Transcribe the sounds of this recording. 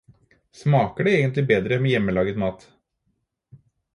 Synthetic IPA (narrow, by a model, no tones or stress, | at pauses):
smɑːkəɖɛeːɡənt̪lɪbeːd̪ɾəmeːjɛmːəlɑːɡət̪mɑːt̪